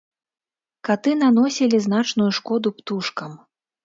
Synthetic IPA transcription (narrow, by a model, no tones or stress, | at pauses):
kat̪ɨnan̪ɔsʲilʲizn̪at͡ʂnujuʂkɔd̪upt̪uʂkɐm